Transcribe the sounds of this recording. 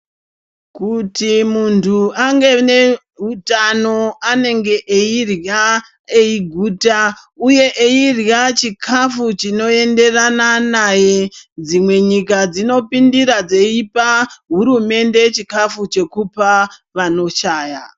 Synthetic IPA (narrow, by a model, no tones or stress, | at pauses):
kutimuntʰuaŋɡe̞ne̞ | ɦutano̞ane̞ŋɡe̞ʔeirja | eiɡʱuːta | uje̞ʔeirjat͡ʃikʰafut͡ʃino̞e̞nde̞rananaje̞d͡zimwe̞ɲikad͡zino̞pindiɾad͡zeipaɦuɾume̞nde̞t͡ʃikafut͡ʃe̞kupaʋano̞ʃaːja